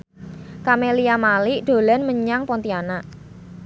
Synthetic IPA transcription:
kameliamalɪʔɖ̪̥o̤lɛnməɲaŋpɔnt̪ianaʔ

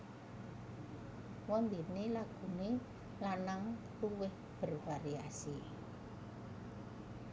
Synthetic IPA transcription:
wɔnd̪inelaɡ̥ṳne | lanaŋtuwɪh | b̥ə̤rfaɾiasi

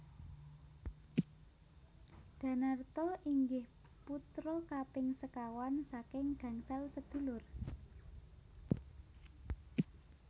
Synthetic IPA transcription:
d̪̥a̤nart̪ɔʔiŋɡɪh | put̪ɾɔkapɪŋsəkawansakɪŋɡ̥ä̤ŋsalsəd̪̥ṳlʊr

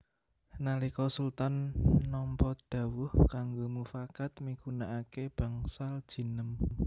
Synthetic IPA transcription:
nalikɔsult̪anːɔmpɔd̪̥ä̤wʊhkaŋɡomufakat̪mikunaʔakeb̥a̤ŋsald̥ʒ̥i̤nəm

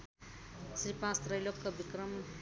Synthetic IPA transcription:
sɾipãst̪rʌjlokːʌbikɾʌm

